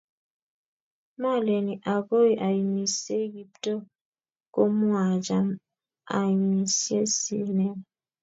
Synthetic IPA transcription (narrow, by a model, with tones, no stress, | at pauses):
ma˦˨le˨ni˨ʔa˨ɡo˦i˦ʔa˨i˨mi˨se˦ɡi˦pto˦ | ko˦mu˦a˨d͡ʒa˦m | a˨i˨mi˨se˦sḭ˦˨nɛ˦